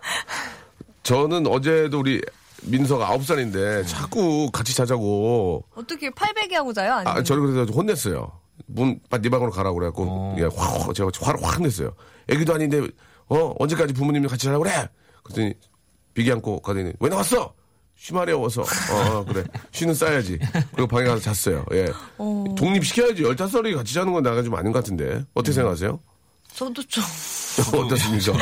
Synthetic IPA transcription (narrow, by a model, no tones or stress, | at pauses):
t͡ɕʌnɯnʌd͡ʑe̞douɾi | mins̬ʰʌɡaa̰op̚s͈aɲinde̞t͡ɕak͈ukat͡ɕʰi̥t͡ɕad͡ʑaɡoʌt͈ʌkʰepʰaɭbeɡeɦaɡod͡ʑajoaɲa̰t͡ɕʌnɯkɯɾes̬ʰʌhonːe̞s͈ʌjo̰ | munp͈anibaŋɯɾokaɾaɡoɾek͈ojea̰t͡ɕeahwaɾwa̰konːes̬͈ʌjo̰ | ʔeɡidoaɲinde | ʌʌ̰nd͡ʑe̞k͈ad͡ʑip̬umuɲimkat͡ɕʰit͡ɕaɾaɡoɾe | kɯɾʌt͈ʰɯɲi | piɡiɦankʰokaden̰wʔenawas͈ʌ | ɕʰimaɾiawʌs̬ʰʌ̰ʌkɯɾe̞ɕʰɥinɯns͈ajad͡ʑikɯɾiɡʌpaŋekʰasʰʌt͡ɕas͈ʌjo̰jʔe̞toŋɲipɕ̬ʰi̥kʰjʌjad͡ʑijʌɭtʰas̬͈ʌɾikat͡ɕʰid͡ʑanɯnɡʌnnaɡat͡ɕoma̰ɲinɡʌkatʰɯnde̞̰ʌtʰʌkʰeeŋɡakʰas̬ʰe̞jo̰ | sdt͡ɕʰo | ʌt͈ʌs̬͈ɯɲit͡ɕʌ